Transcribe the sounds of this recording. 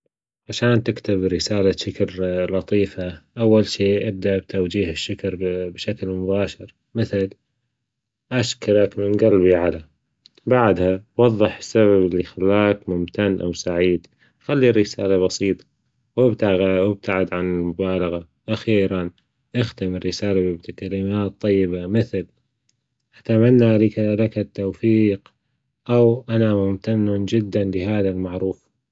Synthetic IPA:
ʕaʃaːnt̪ɪkt̪ɪbɾɪsaːlaʃɪkɑɾlɑt̪ˤiːfaʔawːalʃiːʔab̚d̪aʔbt̪ʰawd͡ʒiːhɪʃːʊkɾbʃaklmʊbaːʃɪɾ | mɪθɪl | ʔaʃkɪɾakmɪnɡalbiʕala | baʕd̪hawɑðˤːɨħɪ̥sːaβablːixalːaːkmʊmt̪anːʔa̰wsaʕiːd̪ | xalːirːɪsaːlaβɑsiːt̪ˤɑ̥ | wɪbt̪aɪb̚t̪aʕɪd̪ʕanɪlmʊbaːlɑɣa | ʔaxiːɾan | ʔaxt̪ɪmɪrːɪsaːlabɪbt̪ɪkalɪmaːt̪ˤːɑjːɪbamɪθl | ʔḁt̪amanːalikaɾakat̪ːowfiːq | ʔawʔanamʊmt̪anːʊnd͡ʒɪd̪ːanliɦaːðalmaʕɾuːf

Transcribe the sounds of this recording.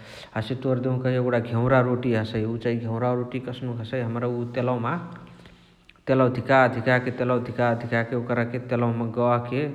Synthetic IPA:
ɦəset̪oɾd̪eũkaɦieɡʈaɡʱeʊ̃ɾaɾoʈiɦəsəjut͡ʃaɦĩɡʱẽʊ̃ɾaɾoʈikəsnuɦəsəjɦəmɾaut̪elawma | t̪eləwd̪ʱikaəd̪ʱikaket̪elawd̪ʱikaəd̪ʱikakeokəɾaket̪elawmaɡəwake

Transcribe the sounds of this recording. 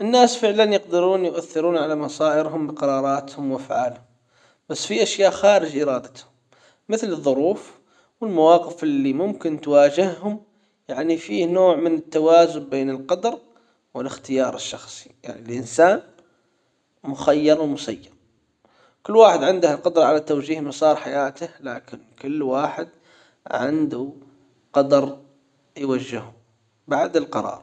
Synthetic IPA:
ʔɪnːaːsfɪʕlanjɪq̚d̪ɪɾuːnjʊʔaθːɪɾuːnʕalamɑsˤɑːʔɪɾɦʊmbɪqɑɾˤɑːɾˤɑːt̪hʊmwʔafʕaːlhʊm | b̥asːfiʔaʃjaːʔxaːɾɪd͡ʒʔɪɾɑːd̪at̪hʊmː | ɪθlɨðˤːʊɾuːf | wɪlmawɑːqɪfɪlːimʊmkɪnt̪waːd͡ʒɪhhʊm | jaʕnifiːhnoːʕmɪnɪt̪ːawaːzʊnbeːnɪlqɑd̪ɾ | wɪlɪxt̪ɪjɑːɾˤɪʃːɑxsˤi̥ja̰ʕnilʔɪnsaːn | mʊxajːɑɾˤwmʊsajːɑɾˤ | kʊlːwaːħɪd̪ʕɪnd̪ahalqʊd̪ɾˤɑʕalat̪awd͡ʒiːhmɑsˤɑːɾˤħajaːt̪ahlaːkɪnkʊlːwaːħɪd̪̚ | ʕɪ̰nd̪u | qɑd̪ɑɾˤ | jwad͡ʒːɪhʊm | baʕd̪ɪlqɑɾˤɑ̰ːɾˤ

